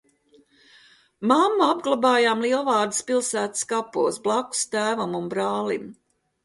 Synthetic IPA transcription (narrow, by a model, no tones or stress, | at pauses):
mamːaabɡlˠabaːjaːmlˠiɛlˠvɑːɾd̪ispilˠsæːt̪ɨ̥skapuɔsblˠaku̥st̪æːvumunbɾɑːlim